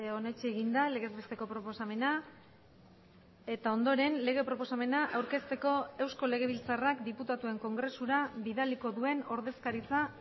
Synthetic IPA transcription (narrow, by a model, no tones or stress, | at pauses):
o̞ne̞t͡ʃeːɣind̪ale̞ɣe̞zβest̪e̞ko̞pɾo̞po̞same̞na | e̞t̪ao̞nd̪o̞ɾe̞nle̞ɣ̞e̞pɾo̞po̞same̞naʔawɾke̞st̪e̞ko̞e̞wsko̞le̞ɣ̞e̞βilt͡sarakd̪iput̪at̪ue̞ŋko̞ŋɡɾe̞suɾaβiðaliko̞ðue̞no̞ɾðe̞skaɾit͡sa